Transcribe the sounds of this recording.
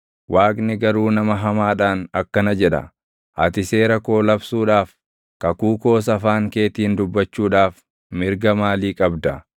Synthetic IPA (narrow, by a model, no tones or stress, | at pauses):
wʔaːknɪɡɐɾuːnɐmɐɦɐmaːᶑaːnɐkːɐnɐd͡ʒɛᶑɐ̰ | ʔɐt̪ɪse̞ːɾɐko̞ːlɐbsuːᶑaːf | kɐkuːko̞ːs̬ɐfaːŋke̞ːt̪iːnd̪ʊbːɐt͡ʃːuːᶑaːf | mɪɾɡɐmaːliːkʼɐbd̪ɐ